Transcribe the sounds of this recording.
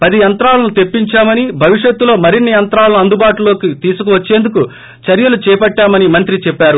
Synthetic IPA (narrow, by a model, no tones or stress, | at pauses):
pɐd̪ijɐnt̪ɾaːlɐnut̪e̞pːiɲt͡ʃaːmɐnibʱɐʋiʂjet̪ːulo̞ːmɐɾinːijɐnt̪ɾaːlɐnuɐnd̪ubaːʈulo̞ːkit̪iːsukuʋɐt͡ʃːe̞ːnd̪uku | t͡ʃɐɾjɐlut͡ʃɛːpɐʈːaːmɐnimɐnt̪ɾit͡ʃɛpːaːɾu